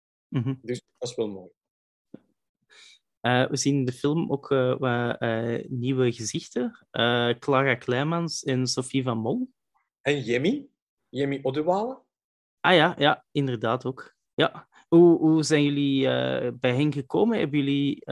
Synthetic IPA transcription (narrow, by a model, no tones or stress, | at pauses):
m̩ɦ̩dəsdɑsʋɛlˠmoːj | əːʋəziːnɪndəfɪlˠmoːkʰəːaəːniwəɣəzɪxtəʔəːklaːɾaklɛːmɑnsɛnsofivɑnmɔlˠ | ɛnjɛmi | jɛmiʔɔdəwaːlə | ʔaːjaːjaɪndərdaːtoːk | ja | ɦuɦuzɛjnjɵliə̰bɛjɦɛnɣəkoːmənɦɛ̰bənjɵli